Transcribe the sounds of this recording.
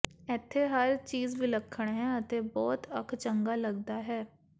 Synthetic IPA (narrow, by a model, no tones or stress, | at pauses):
ɛt̪ʰːeːɦəɾt͡ʃiːzbiːləkʰːəɳ̃ɦɛ̃ːət̪eːbɔːt̪əkʰt͡ʃəŋɡaːləɡd̪aːɦɛː